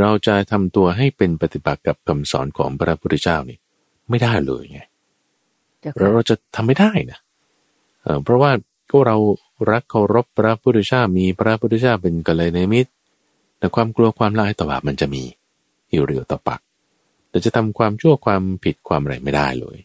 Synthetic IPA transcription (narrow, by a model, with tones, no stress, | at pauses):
ɾa˧wt͡ɕa˨˩t̪ʰa˧mt̪u˧ɐɦa˥˩jpe˧npa˧t̪i˨˩ba̰˨˩t̪̚ka˨˩p̚kʰa˨˩msɔ̰ː˩˦nkʰɔ̰ː˩˦ŋpʰɾa˦˥pʰu˥˧˥t͡ɕaː˥˩wniː˥˩ | ma˥˩jdaː˥˩jlɤ̰ː˧jŋa˧˥˩j | ɾɛ˦˥wɾa˧wt͡ɕa˨˩t̪ʰa˧mːa˥˩jdaː˥˩jna˦˥ | ʔɤː˧˩pʰɾɔ˦˥waː˥˩ | kɔ˥˩ɾa˧w | ɾa˦˥kʰːa˧˩wɾo˦˥pʰːɾa˦˥pʰu˥˧t͡ɕaː˥˩miː˧pʰɾa˦˥pʰu˥t̪ʰːt͡ɕaː˥˩pe˧nka˧laː˧na˧mi˦˥t̪̚ | na˦˥˩kʰwaː˧mklu˧ɐkʰwaː˧mla̰˧˥ʔhjt̪ɔː˨˩baː˨˩p̚ma˧nt͡ɕa˨˩ʔmiː˧ | juː˧˩ɾḭ˨˦ət̪ɔː˨˩pa̰˨˩ʔ̚ | laː˨˩t͡ɕa˨˩t̪ʰa˧mkʰwaː˧mt͡ɕʰu˥˩ɐkʰwaː˧mpʰi˨˩t̪̚kʰwaː˧ma˨ɾa̰˧jma˥˩jda̰ː˥˩jlɤ̰ː˧j